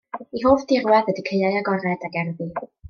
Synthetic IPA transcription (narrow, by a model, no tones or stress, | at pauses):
iɦoːfd̥ɪrwɛðədikʰəɨajaɡɔɾɛdaɡɛrðɨ